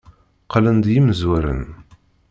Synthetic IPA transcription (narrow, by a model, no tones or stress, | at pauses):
qlənd̪jiməzwæɾə̰n